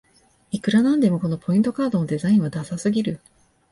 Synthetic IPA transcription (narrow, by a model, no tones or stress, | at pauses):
ikɯ̟ɾanãnd̪e̞mo̞ko̞no̞pʰo̞ĩnt̪o̞kaːd̪o̞no̞d̪e̞zaĩɰ̃β̞ad̪asasɨɡʲiɾɯ̟